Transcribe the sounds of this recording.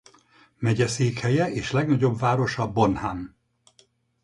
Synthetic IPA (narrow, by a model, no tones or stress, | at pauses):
mɛɟɛseːkhɛjɛʔeːʃlɛɡnɒɟo̞bvaːɾo̞ʃɒbo̞nhan